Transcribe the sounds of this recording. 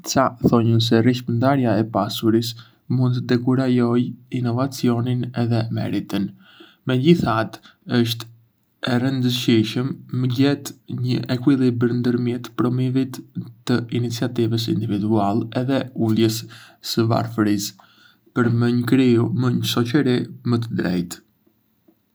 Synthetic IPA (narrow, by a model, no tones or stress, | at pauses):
saθɔɲəns̬ɛriʃmənd̪aɾjaɛpasuɾis | mũnd̪t̪əd̪ɛkuɾajɔjinɔvat͡siɔninɛðɛmɛ̰ɾit̪ən | mɛɟiθat̪ | əʃt̪ | ɛrənd̪əʃiʃəmːəɟɛt̪ɲəʔɛkwilˠibəɾnd̪əɾmjɛt̪pɾɔmivit̪ːəinit͡siat̪ivəs̬ind̪ivid̪ualɛðɛuljəssəva̰ɾfəɾis | pəɾməɲəkɾiuməɲəʃɔt͡ʃəɾimət̪əd̪ɾɛ̰jt̪